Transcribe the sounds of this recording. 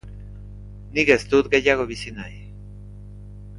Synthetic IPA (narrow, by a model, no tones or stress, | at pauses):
niɣest̪ut̪ɡeʎaɣoβisinaj